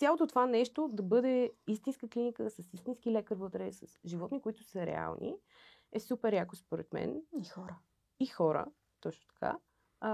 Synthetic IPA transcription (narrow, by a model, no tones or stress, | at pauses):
t̪sʲjalˠot̪ot̪ovanɛʃt̪od̪ɐbɤd̪ɛist̪inskəklinikəsɐsist̪insk̟ilɛkəɾvɤt̪ɾɛsəsʒivɔt̪nikoit̪ʊ̥səɾɛ̰a̰lˠnḭ | ɛsupɛɾjakospoɾɛ̰t̪mɛ̰nixɔɾə | ixɔɾə̰ | t̪ɔt͡ʃno̥t̪ɐ̥kʰa̰